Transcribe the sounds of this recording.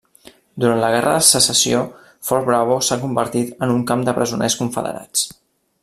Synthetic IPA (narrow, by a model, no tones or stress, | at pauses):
d̪uɾant̪ləɣ̞ɛrʔəðəsəsəsio | fɔɾ̚bɾaβosakumbəɾt̪it̪ənuŋkamd̪əpɾəzunʔɛskuɱfə̰ðə̰ɾa̰t͡s